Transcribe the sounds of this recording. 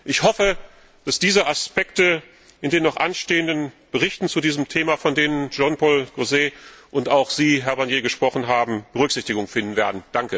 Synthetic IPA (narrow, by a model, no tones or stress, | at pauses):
ʔɪçhɔfə | d̥asd̥iːzəʔaspɛktə | ʔɪndeːnːɔχʔanʃteːəndən | b̥əʁ̞ɪçtn̩t͡sudiːzəmtʰeːmafɔndeːnənd͡ʒɔnpɔlɡ̥ozeːʔʊntaʊxz̥iːɦɛɐbaɐnjeːɡəʃpʁ̥ɔχn̩ɦaːbm̩b̥əʁʏkz̥ɪçtɪɡʊŋfɪndn̩veːɐdn̩d̥aŋkə